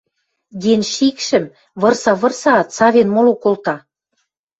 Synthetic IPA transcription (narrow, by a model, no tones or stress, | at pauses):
d̪enʃikʃɘ̆m | βɤ̆rsɑβɤ̆rsɑːt̪sɑβʲenmolokolt̪ɑ